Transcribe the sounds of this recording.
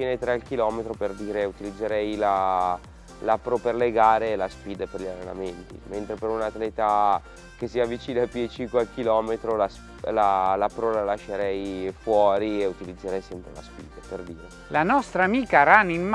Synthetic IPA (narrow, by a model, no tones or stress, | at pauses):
pjɛːnet̪ɾealk̟ilɔːmet̪ɾoperd̪iːɾeut̪ilid̪zːeɾɛjla | lapɾoperleɡaːɾelaspiːd̪eperʎarːena̰ment̪ḭment̪ɾepeɾunat̪lɛːt̪a | kesːiavːit͡ʃiːnapit͡ʃiŋkwealk̟ilɔːmet̪ɾolas | lalapɾolalaʃːeɾɛjfwɔːɾieut̪ilid̪zːeɾɛjsɛmpɾḛla̰spḭːd̪eperd̪iːɾe | lanɔst̪ɾamiːkaɾaninm